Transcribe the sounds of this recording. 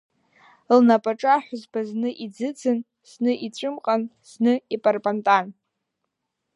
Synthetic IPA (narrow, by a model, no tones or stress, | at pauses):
lnapʼaʈ͡ʂʼaħʷᶣʊzbaznɨʔid͡zɨd͡zʰɨn | snɨʔit͡ɕʷʼʊmqʼan | snɨipʼarpʼantʼan